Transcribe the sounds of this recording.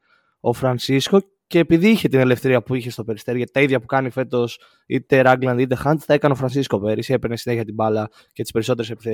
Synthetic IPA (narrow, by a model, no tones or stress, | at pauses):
o̞fɾɐnsisko̞ | ce̞ːpiðiiçe̞t̪ine̞le̞fθeɾiɐpuiçe̞st̪o̞pe̞ɾist̪eɾiʝɐt̪i̥t̪ɐiðʝɐpukɐnife̞t̪o̞s | it̪e̞ɾɐɡlɐnd̪it̪e̞xɐnt̪θɐekɐneofɾɐnsisko̞pe̞ɾisie̞pɾenesine̞çiɐt̪ibɐlɐ | cet̪i̥spe̞ɾiso̞t̪eɾese̞piθe